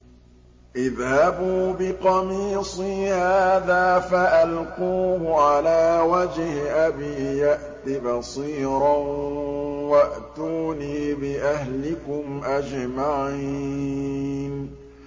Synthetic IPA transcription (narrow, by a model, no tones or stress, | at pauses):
ʔɪðhabuːbɪqɑmiːsˤiːhaːðaːfaʔalquːhʊʕalaːwad͡ʒhɪʔabiːjaʔt̪ɪbɑsˤiːɾɑ | waʔt̪uːniːbɪʔahlɪkʊmʔad͡ʒmaʕiː | n